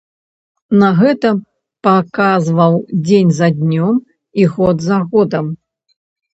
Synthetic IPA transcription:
nɐɣɛt̪ɐ | pakazvɐwd͡zʲenʲzɐd̪ʲnʲɔm | iɣɔd̪zaɣɔd̪ɐm

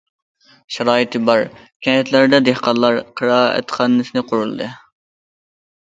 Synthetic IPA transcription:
ʃɛɾɑːit̪ʰɨbɑɾ | kʲʰɛhɛt̪ʰlæɾd̪ɛd̪ehqɑnlˠːɑɾqʰəɾɑːɛ̰t̪χʰɑnːɨsɪnɨqʰʊɾulˠd̪ɨ

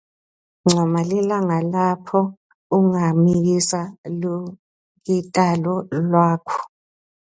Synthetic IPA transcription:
ŋ͡ǀʱɔmalilaŋalapʰɔ | uŋamiɣ̬isalu | kitʼalɔlwaːkʰɔ̥

